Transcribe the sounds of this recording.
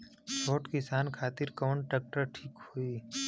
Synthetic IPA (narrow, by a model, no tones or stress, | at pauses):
soːʈkɪsaːnkʰaːt̪ɪɾkɔːɳʈɛːk̚ʈəɾʈʰiːkhoiː